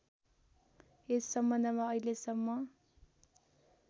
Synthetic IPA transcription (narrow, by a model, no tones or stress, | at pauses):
esːʌmbʌnd̪ʱʌmaʌilesʌmːʌ